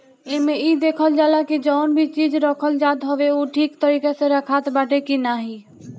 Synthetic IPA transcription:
ɪmẽiːd̪eːkʰəld͡ʒaːlakid͡ʒɔːnbʱit͡ʃiːd͡ʒɾɔkʰəld͡ʒaːd̪ɦoʋeuːʈʰiːkt̪əɾiːkesẽɾəkʰaːt̪baːʈekinaːɦiː

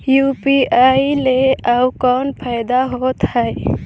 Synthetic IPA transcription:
jupiajleawkɔnpʰajd̪aɦot̪həj

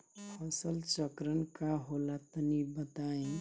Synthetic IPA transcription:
pʰəsəlt͡ʃəkɾənkaɦolat̪ənibət̪aẽ

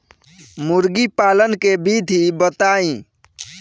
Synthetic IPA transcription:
mʊɾɡipaːlənkebid̪ʱibət̪aːĩ

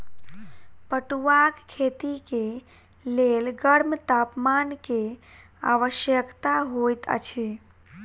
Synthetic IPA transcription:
pəʈuʋakkʰeːt̪ike | lelɡəɽmt̪aːpmanke | a̰ʋəʃjəkt̪aɦojt̪ə̰t͡ʃʰi

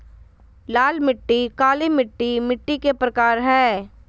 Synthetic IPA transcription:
laːlmɪʈːikaːlimɪʈːimɪʈːikepɾɐkaːɾɦɛː

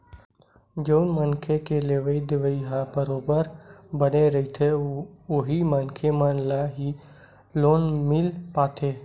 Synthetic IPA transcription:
d͡ʒəʊnmənkʰekeleʋəid̪ɪʋəiɦabəɾoːbəɾbəneɾɐit̪ʰeoɦimənkʰemənlaɦi | loːnmɪlpaːt̪ʰeː

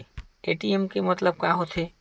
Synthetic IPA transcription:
eːʈiemkemɐt̪ləb̚kaɦot̪ʰe

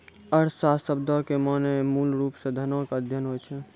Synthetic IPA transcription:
əɾsasəb̚d̪ʱɔkemanemuːlɾuːpsẽd̪ʱənokəd̪ʱjənɦojt͡ʃʰɛ

